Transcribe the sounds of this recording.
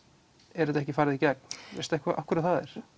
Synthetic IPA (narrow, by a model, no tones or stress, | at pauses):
ɛɾɛt̪ɛhcɪfaːɾɪðicɛk̚nvɪ̰ɾst̪aɛhkʰaʔa̰fkvʏɾat̪θaðɛ̰ɾ̥